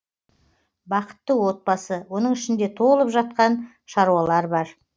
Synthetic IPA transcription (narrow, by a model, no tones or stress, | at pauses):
bɑqə̥t̪ːəwo̞t̪̚bɑsəwo̞nəɴɪʃɪnd̪e̞t̪ʰo̞əlˠəpʒɑt̪̚qɑn | ʃɑɾuɑlˠɑɾbɑɾ